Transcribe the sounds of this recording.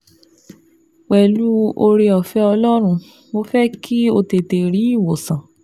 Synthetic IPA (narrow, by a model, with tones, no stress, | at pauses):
k͡pɛ˨lu˦o˧ɾe˧ɔ˨fɛ˦ɔ˧lɔ˦ɾ̃ũ˧ | mo˧fɛ˦kʰi˦o˧te˧˨te˨ɾi˨˦i˦˨wo˨sã˨